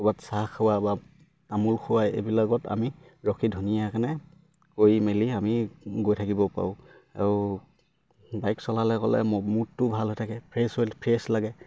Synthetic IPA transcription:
ɔbatsaxawaba | tamulxʰʊwajḛbilaɡɔta̰mi | ɹɔkʰidʱunijakanɛ | koimeliamiɡojtʰakibɔpa̰ʊ̃ | a̰ɹʊ | bajksɔlalɛkɔ̰lɛ̰mmutːʊbʱalɦojtʰakɛpʰɹesolpʰɹeslaɡɛ

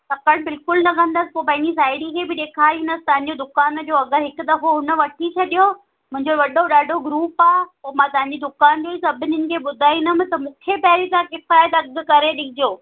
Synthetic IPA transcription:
sɐkəɽ̃bɪlkʊlnɐkʰɐ̃nd̪əspoːpɐ̃ɦɪ̃ɲd͡ʑis̬aːɪɽikʰebɪɗeːkʰaːind̪əsɪ̥̆t̪ɐʋɪ̃ɲ̆d͡ʑod̪ʊkaːnd͡ʑoɐɡəɾɦɪkt̪ɐɦoɦʊnə̆ʋɐʈʰit͡ɕʰɐɗijo | mʊ̃ɦɪ̃ɲd͡ʑoʋɐɗoɗaːɖʱoɡɾuːpaːɦpoːmãt̪ɐɦɪ̃ɲ̆d͡ʑid̪ʊkaːnd͡ʑoːisɐbʱɪnənɪ̆kʰeɓʊd̪ʱaːinɐmɪt̪ɐmũːkʰepɛːɾit̪ãkɪfaːɪt̪ɐɡkɐɾeɗɪkʰɪd͡ʑoː

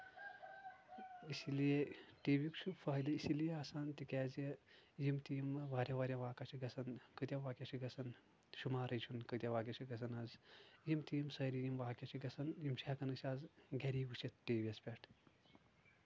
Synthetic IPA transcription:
isilieʈeːʋikt͡ʃʰufaːjd̪ɐisilieaːsaːnt̪ikʲaːzejimt̪imʋaːɾʲjaʋaːɾʲjãʋaːkat͡ʃʰiɡɐsɐnkət̪ʲjaʋaːkʲat͡ʃʰiɡɐsɐn | ʃumaːɾɐt͡ʃʰunkət̪ʲjaʋaːkʲjat͡ʃʰiɡɐsʰɐnazjimt̪iːmsɐjɾijimʋaːkʲjat͡ʃʰiɡɐsɐnjimt͡ʃakɐnɨsʲaːzɡʲɐɾiːɡut͡ʃʰit̪̚ʈeːʋiɐspʲeʈ

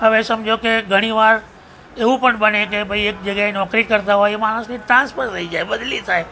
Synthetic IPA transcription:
ɦəʋesɐmd͡ʒokeɡʱəɽ̃iʋaːɾ | eʋũpəɳɓənekebʱəieːk̚d͡ʒəɡaenɔːkɾikəɾt̪aɦoːjemaːɽ̃ʊsnĩt̪ɾãːnspʰəɾt̪ʰəid͡ʒaːeɓəd̪lit̪ʰaːe

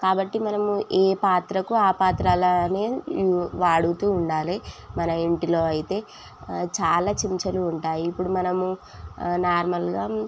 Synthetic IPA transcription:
kaːbɐʈːimɐnɐmuʔeːpaːt̪ɾɐkuaːpaːt̪ɾaːlone̞ːʋaːɽut̪uːɳɖaːlimɐnɐiɳʈilo̞ːɐjit̪e̞ː | t͡ʃaːlaːt͡ʃiɲt͡ʃɐluːɳʈaːjiːpːuɽumɐnɐmu | naːɾmɐlɡaː

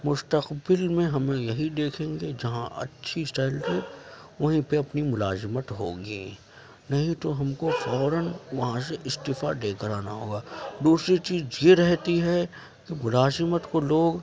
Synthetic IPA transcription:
mʊst̪əqbɪlmẽɦɐmẽjɐɦid̪eːkʰẽːŋɡed͡ʒɐɦã̰ʔɐ̰tːʃʰisʈaːɪlʈ̪eː | ʋɐɦĩpeɐpnimʊlaːzɪmət̪ɦo̰ːɡi | nɐɦĩt̪oɦɐmkofɔːɾənʋɐɦãs̬eʔɪst̪ɪfaɖ̪eːkəɾaːnaɦoːɡaːd̪uːsɾit͡ʃiːzjeɾɛɦt̪iɦɛ | kimʊlaːzɪmət̪koloːɡ

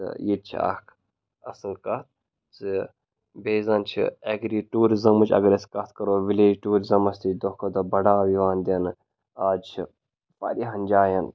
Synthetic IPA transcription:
t̪ɨ̰jit̪̚t͡ʃʰḭɐ̰kʰ | ɐ̰sɨnkɐt̪̚ | t͡sɨ | beːzɐnt͡ʃʰḭeɡɾiʈuːɾizɐmut͡ʃʰʲɐ̰ɡɾɐskɐt̪ʰkɐɾoːʋileːd͡ʒʈuːɾizɐmɐst̪it͡ʃd̪okʰod̪ɐbɐɽaːʋiʋaːnd̪ʲɐnɨ | aːd͡ʒt͡ʃʰi | pɐ̰ɾiɦɐnʲd͡ʒaːjɐn

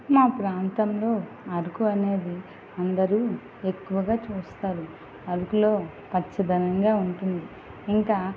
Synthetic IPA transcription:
maːpɾaːnt̪ɐmlo̞ː | ɐɾukuɐne̞ːd̪i | ɐnd̪ɐɾuː | e̞kːuʋɐɡaːt͡ʃuːst̪aːɾu | ɐɾukulo̞ː | pɐtt͡ʃːɐd̪ɐnɐŋɡaːuɳʈund̪i | iŋkaː

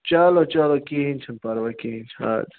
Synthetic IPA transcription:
t͡ʃaːlot͡ʃaːlokeɦint͡ʃʰɐnpaɾʋakeɦĩnt͡ʃʰa̰ːd

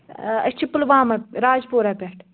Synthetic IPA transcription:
ɐ̰st͡ʃʰipːəlʋãːmɐɾaːd͡ʒpoːɾapɛʈʰ

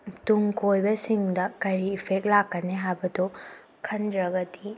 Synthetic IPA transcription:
tuŋkojbɐsiŋdɐkɐɾiːpʰek̚lakːɐneɦajbɐdo | kʰɐndɾɐɡɐti

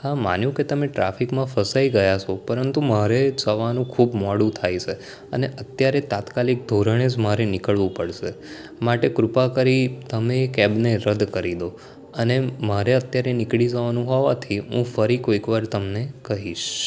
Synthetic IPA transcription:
hama̰njũket̪əmeʈɾa̰fikmãfəsaiɡəjat͡ʃʰopəɾənt̪umaɾed͡ʒəʋanũkʰubmɔɽũt̪ʰajt͡ʃʰe | ə̰neʔət̪jaɾet̪at̪kalik̚d̪ʱoɾəɽ̃ed͡ʒmaɾenɪkəɭʋũpəɽʃe | maʈekɾʊpakəɾit̪əmeːkɛbneɾəd̪kəɾid̪o | ənemaɾeət̪jaɾenɪkɭid͡ʒəʋanũɦɔʋat̪ʰiɦũfəɾikoikʋaɾt̪əmnekəɦiʃ

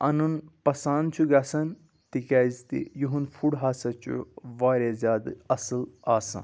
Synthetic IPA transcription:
ɐnunpɐsaːnt͡ʃʰuɡɐsɐn | t̪ikaːzt̪ḭjuɦunfʰuɽɦaːsɐt͡ʃʰṵʋaːɾʲezʲaːd̪ɐsɨlaːsɐ̰̃

